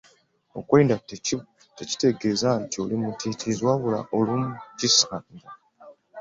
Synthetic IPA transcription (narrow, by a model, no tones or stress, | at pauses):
o̞̰kwe̞ːnda | teci̥te̞ɡe̞zantiolimutitizwaβula̰ʔolumucisaɲda